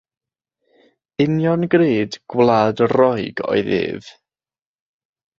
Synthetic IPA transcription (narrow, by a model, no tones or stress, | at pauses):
ɪnjɔnɡreːdɡ̥wlˠaːdrɔjɡɔ̰ɨðɨ̰ːð̥